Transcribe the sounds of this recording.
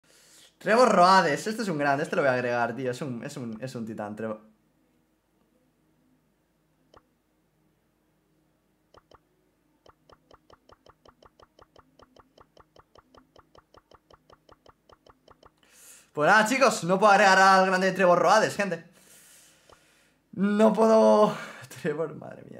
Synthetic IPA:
t̪ɾeβosroaðe̞sest̪eesuŋɡɾand̪est̪loojaɣ̞ɾeɣaɾt̪ioesunesunesunt̪it̪a̰nt̪ɾeβo | pwenaðat͡ʃiko̞snop̬weɣɾeɣaɾalɣ̞ɾand̪et̪ɾeβoroaðesxent̪e | nop̬weðot̪ɾeβoɾmʔa̰ðɾḛmḭa̰

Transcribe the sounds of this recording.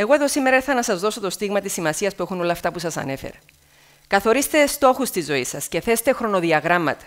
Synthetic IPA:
e̞ɣo̞e̞ðo̞sime̞ɾɐeθɐnɐsɐzðo̞so̞t̪o̞st̪iɣmɐt̪isːimɐsiɐspue̞xuno̞lɐːft̪ɐpusɐsɐ̰ne̞fe̞̰ɾɐ | kɐθo̞ɾist̪e̞st̪o̞xust̪izo̞isɐsce̞θe̞st̪e̞xɾo̞no̞ðiɐɣɾɐmːɐ̰t̪ɐ̥

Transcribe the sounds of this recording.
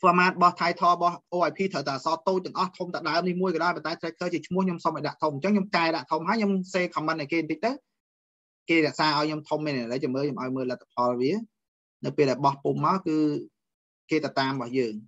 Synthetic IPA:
pɔmaːt̪̚ɓɑht̪ʰajt̪ʰɑːɓɑhʔoːʔajpʰiːt̪ʰəwt̪aʔasɑːt̪oːc̚t̪ɛəŋʔɑht̪ʰomt̪əɗaəmnihmuəjkɑːɗaɔjpɑnt̪aɛt̪ʰləkʰəːt͡ɕiət͡ɕʰmʊ̆əhɲomsomʔɔj̚ɗaʔt̪ʰomɲt͡ɕəŋɲomkaɛɗaʔt̪ʰomɦaəjɲomseːkʰɑmːən̚ɗaɛkeːnt̪əc̚t̪əw | keːɾɛ̆əʔsaːʔaɔjɲomt̪ʰomːinaləjt͡ɕomːəːlɲomʔaɔjməːlət̪ʰːḁpʰɑlʋiə | nɨwpeːlɗaɛɓɑhpumːaɔkɨː | keːt̪awt̪aːmɓɑhjəːŋ

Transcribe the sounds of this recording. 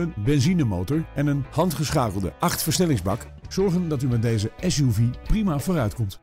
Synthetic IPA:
ənbɛnzinəmowtɔɹɛnənhɑntχəsχaːkəlˠdə̰ʔɑχtfəɹsnɛlɪŋzbɑk | z̥ɔɹχəndɑtymɛt̚dejzəɛsjuviprimavoːrœɥtkɔmt

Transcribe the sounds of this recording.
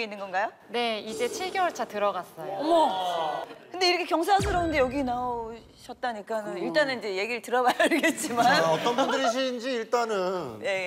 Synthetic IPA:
einːɯnɡʌnɡajo | ne̞id͡ʑe̞t͡ɕʰiɭɡewʌɭt͡ɕʰatɯɾʌɡas͈ʌjomʌ | kɯnde̞iɾʌkʰekjʌŋs̬ʰasʰɯɾʌundejʌɡinao | ɕʰʌt̚t͈aɲik͈anɯniɭt͈anɯnid͡ʑe̞je̞ɡiɾɯɭtɯɾʌbaɭɡet̚t͡ɕ͈imanʌtʌnbunɯɾiɕ̬ʰind͡ʑiːɭt͈anɯnje̞

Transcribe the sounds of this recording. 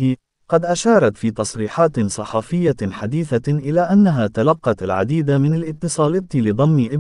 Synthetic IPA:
qɑd̪ʔaʃɑːɾˤɑt̪fiːt̪ɑsˤɾiːħaːt̪sˤɑħɑːfɪjːaħad̪iːθaʔɪlaːʔanːaɦaːt̪alɑqːɑalʕa̰d̪iːd̪amɪnalʔɪt̪ːɨsˤɑːlɑt̪lɪd̪ˤɑmːɪʔɪb

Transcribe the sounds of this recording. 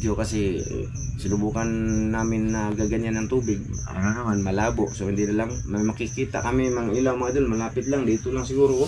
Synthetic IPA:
d͡ʒokasi | silubukanːamɪnːaɡaɡaɲanjaŋt̪ubɪɡ̚ | anaamanmalabɔʔsoind̪idalaŋ | mamakikit̪a̰kamimaŋilamad̪ulmalapɪt̪̚laŋdit̪ulaŋsiɡuɾu

